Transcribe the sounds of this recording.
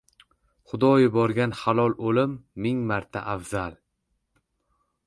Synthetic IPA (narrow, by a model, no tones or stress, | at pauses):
χʊd̪ɒjʊbɒɾɡʲanhalˠɒlˠolɪmːɪŋmaɾt̪ʰa̰ʔavzalˠ